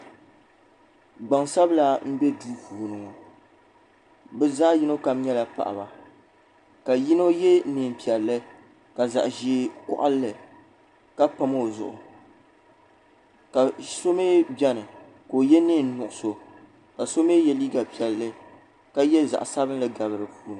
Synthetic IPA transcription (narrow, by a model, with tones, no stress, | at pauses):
ɡ͡ba˨ŋsa˦bla˦m̩˦bɛ˦duː˦puː˨nɨ˨ŋo˨ | bɨ˦zaː˦ji˦no˦ka˨m˦ɲɛ˦la˨pa̰˨ʔa̰˨ba˨ | ka˨ji˦no˦jɛ˦nɨ˨m˨pi˨ɛ˨lːɨ˦ | ka˨za̰˨ʔʒeː˨˦kɔ̰˦ʔa˦lːɨ˨ | ka˦pa˨mo˦˨zʊ̰˨ʔʊ̰˨ | ka˨so˦meː˦bɛ˦nɨ˨ | ko˨jɛ˦niː˦˨n˦nʊ˨ʔʊ˨so˨ | ka˨so˦me˦jɛ˦liː˦ɡa˨pi˨ɛ˨lːɨ˦ | ka˦jɛ˦za̰˨ʔa˨sa˦bɨ˦nlɨ˦ɡa˨bɨ˨ɾɨ˨puː˨˦nɨ˨